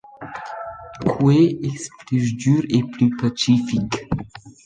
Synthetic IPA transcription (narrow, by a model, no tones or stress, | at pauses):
kʰweɛsplysd̪yʁeplypasifik